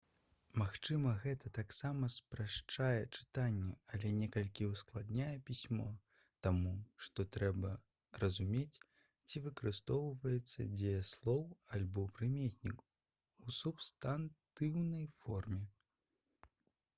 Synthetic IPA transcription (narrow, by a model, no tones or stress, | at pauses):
maxt͡ʂɨmɐɣɛt̪ɐt̪aksamɐspɾaʂt͡ʂajɛt͡ʂɨ̥t̪anʲːɛɐlʲɛnʲɛkɐlʲkʲiwsklˠad̪nʲajɛpʲisʲmɔ | t̪amuʂt̪ɔt̪ɾɛbɐ | rɐzumʲet͡sʲ | t͡sʲivɨkɐɾɨst̪ɔwvɐjɛt̪sːɐ̰d͡zʲɛjɛslˠɔwalʲbɔpɾɨmʲetʲnʲik | usupst̪ant̪ɨwnɐjfɔrmʲɛ